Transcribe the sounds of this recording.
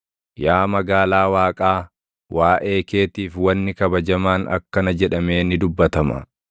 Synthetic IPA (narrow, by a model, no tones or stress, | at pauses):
jaːmɐɡaːlaːwaːkʼaː | wʔaːʔe̞ːke̞ːt̪iːfwɐnːɪkɐbɐd͡ʒɐmaːnɐ̰kːɐnɐd͡ʒɛᶑɐme̞ːnɪd̪ʊbːɐt̪ɐmɐ̰